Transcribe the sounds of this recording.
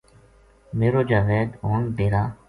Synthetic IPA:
meːɾoːd͡ʒaːʋeːd̪oːnbeːɾaː

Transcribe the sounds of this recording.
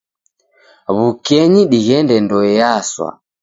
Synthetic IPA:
βukɛɲiɗiɣɛndɛndɔɛjaswa̰

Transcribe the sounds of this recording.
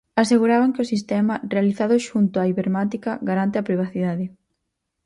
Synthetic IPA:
aseɣuɾaβaŋkɪosist̪ɛmɐrealiθaðʊʃunt̪ʊaiβeɾmat̪ikɐɣaɾant̪ɪapɾiβ̞aθiðaðɪ

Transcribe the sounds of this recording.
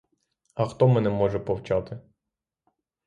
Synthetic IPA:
ɐxt̪ɔmɛnɛmɔʒɛpɔwt͡ʃɑt̪ɪ

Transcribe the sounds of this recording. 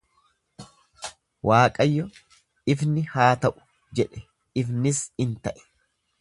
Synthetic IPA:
waːkʼɐjːɔ | ɪfnɪhaːt̪ɐʔʊ̥ | d͡ʒɛᶑɛ̥ | ɪfnɪsɪnt̪ɐʔɛ̥

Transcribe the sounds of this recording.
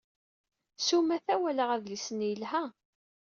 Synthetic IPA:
sumæθæwæləʁæðlisənjəlhæ

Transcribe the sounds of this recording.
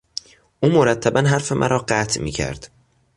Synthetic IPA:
ʔuːmoɾæt̪ʰːæbænɦæɾfe̞mʔæ̰ɾʔɒːɢæːt̪ʰmḭːcʰæ̰ɾd̪̥

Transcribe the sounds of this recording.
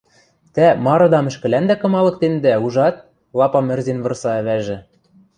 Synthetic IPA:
t̪æmɑɾɤ̆d̪ɑmɘ̆ʃkɘ̆lænd̪ækɤ̆mɑlɤ̆k̚t̪end̪æuʒɑt̪̚ | lˠɑpɑmɘ̆rzenβɤ̆rsɑæβæʒɘ̆

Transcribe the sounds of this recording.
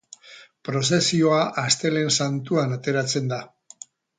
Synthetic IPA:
pɾo̞s̬e̞sio̞aʔast̪e̞le̞nsant̪uanat̪e̞ɾat͡se̞nd̪a

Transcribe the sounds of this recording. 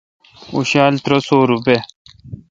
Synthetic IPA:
uɕaːlt̪ɾosoːɾupe

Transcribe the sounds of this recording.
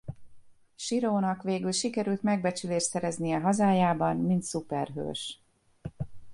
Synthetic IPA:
ʃiɾoːnɒkʋeːɡylʃikɛɾylt̪mɛɡ̚bɛt͡ʃyleːʃsɛɾɛznijɛɦɒzaːjaːbɒnmint̪supɛrɦø̰ːʃ

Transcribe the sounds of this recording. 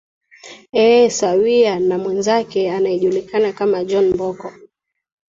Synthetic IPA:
ɛsawianamwɛnzakɛanajɛʄulikanakamad͡ʒɔnmbɔkɔ

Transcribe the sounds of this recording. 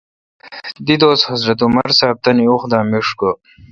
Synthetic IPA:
d̪id̪oːshɐzɾɐt̪umɐɾsaːb̚t̪ɐnioxd̪aːmiʂko

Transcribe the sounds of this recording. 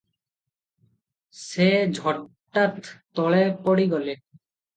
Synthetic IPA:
sed͡ʒʱɔʈ | ʈːat̪ː | ɔɭepɔɽiɡɔle

